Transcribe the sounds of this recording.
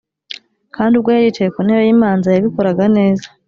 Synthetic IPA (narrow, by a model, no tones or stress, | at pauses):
kaːndubɡwejaiːtekonejojiːmaːnzajaβiko̞ɾaɡane̞ːzḁ